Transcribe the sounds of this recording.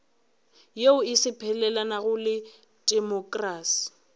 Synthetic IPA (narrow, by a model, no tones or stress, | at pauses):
jeʊɪsɪpʰɛlɛlanaɣʊlɪ | dʼɛmɔkʼraːsi̥